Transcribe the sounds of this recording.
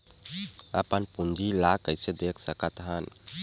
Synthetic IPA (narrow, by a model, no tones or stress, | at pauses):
əpənpund͡ʒilakəjsed̪ekʰsəkət̪ɦən